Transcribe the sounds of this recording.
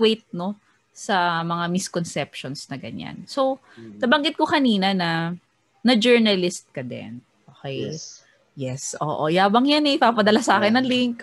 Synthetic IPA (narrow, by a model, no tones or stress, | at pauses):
wejt̪̚no̞ | sɐmɐŋamɪskonsɛpʃonsnɐɡɐ̰ɲa̰nso̞w | nɐbɐŋɡɪt̪̚kokɐniːnɐnɐ | nɐd͡ʒɛɹnɐlɪst̪̚kɐd̪ɛ̰n | ʔoːkɛj | jɛsʔo̰ːʔojaːbɐŋjanɛʔɪpapɐd̪ɐlasɐaːkɪnːɐŋlɪŋk